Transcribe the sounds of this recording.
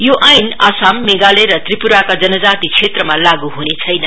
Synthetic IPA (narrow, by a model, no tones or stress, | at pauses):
joʔajnasamːeɡaleɾʌt̪ripuɾakad͡zʌnʌd͡zat̪it͡sʰet̪rʌmalaɡuɦunet͡sʰʌjnʌ